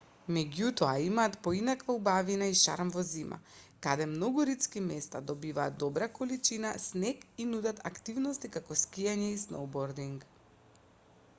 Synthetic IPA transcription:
mɛɟut̪ɔaimaːt̪pɔinakvaubavinaiʃa̰ɾmvɔzima̰kad̪ɛmnɔɡuɾit̪skimɛst̪ad̪ɔbivaːt̪d̪̚ɔbɾakɔlit͡ʃinasnɛkinud̪at̪a̰kt̪ivnɔst̪ikakɔskijaɲɛisno̰wbɔɾd̪iŋɡ

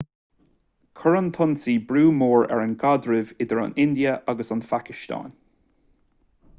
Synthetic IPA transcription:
kʰɔɹənt̪ʰɔnsiːbɹuːmoːɹɛ̰ɹənɡad̪ɹɪvɪd̪əɹa̰nɪnd̪iəʔaɡəsanfakɪʃt̪ɑ̰ːn

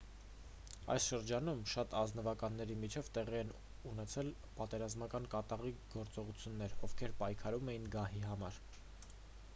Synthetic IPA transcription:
ɑ̰jsʃəɾd͡ʒɑnumʃɑt̪ɑznəvɑkɑnːɛɾimit͡ʃʰɛvt̪ɛʁiɛn | unɛt͡sʰɛl | pɑt̪ɛɾɑzmɑkɑnkɑt̪ɑʁiɡɔɾt͡sɔʁut͡sʰjunːɛɾɔvkʰɛɾpɑjkʰɑɾumɛjinɡɑhiɦɑmɑɾ

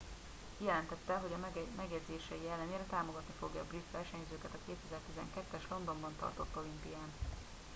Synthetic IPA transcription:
hijɛlɛnt̪ɛt̪ːɛlɦo̞ɟɒmɛɡjɛd̪zeːʃɛjiɛlːɛneːɾɛt̪aːmo̞ɡɒt̪nifo̞ɡjɒ̰ːbrit̪ʋɛrʃɛɲzøːkɛt̪ɒkeːt̪ɛzɛrt̪izɛ̰ŋkɛt̪ːɛʃlo̞nd̪o̞mbɒnt̪ɒ̰rt̪o̞t̪ːo̞limpijaːn

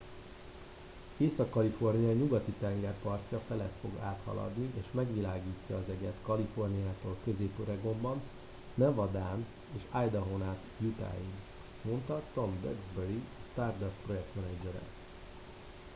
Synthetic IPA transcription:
eːsɒkːɒlifo̞rnijɒɲuɡɒt̪it̪ɛŋɡɛrpɒrcɒfɛlɛt̪fo̞ɡaːt̪hɒ̰lɒ̰d̪niʔeːʃmɛɡʋilaːɡiːcːɒːzɛɟɛt̪kɒlifo̞rnijaːt̪oːlkø̞zeːpoɾɛɡo̞mbɒnː | ɛvɒd̪aːn | eːʃajd̪ɒɦo̞naːt̪jut̪a̰ːjin | mo̞nt̪ɒt̪o̞mbø̰ɡzbɛɾist̪aːrd̪ɛspro̞jɛk̚t̪mɛnɛd͡ʒɛɾɛ̰

